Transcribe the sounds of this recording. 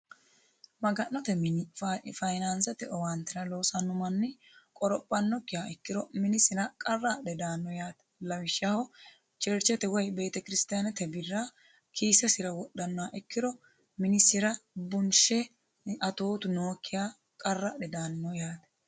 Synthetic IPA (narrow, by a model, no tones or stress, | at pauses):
mɐɡɐnːɔt̪ɛmɪffɐjnɐnsɛt̪ɛʔɔwɐnt̪ːɪɾɐlo̞ːsɐnːʊmɐnːɪ | kʼɔɾɔpʼːɐnːɔkːɪjaːɛkːɪɾɔmɪnɪsɪnɐkʼɐrːaɛd̪aːnːɔjaːt̪ɛ̥lɐwɪʃːahɔ | t͡ʃɛɾt͡ʃːɛt̪ɛwɔjbe̞ːt̪ɛkɪɾɪst̪ɪjanɛt̪ɛbɪrːa | kʰiːsɛsɪɾɐwɔɗːɐnːaʔɛkːɪd̪ɔ | mɪnɪsːɪɾɐbʊnʃɛ | ɐt̪o̞ːt̪ʊnoːkʰːɪjaː | kʼɐrːaɗɛd̪aːnːɔjaːt̪ɛ̥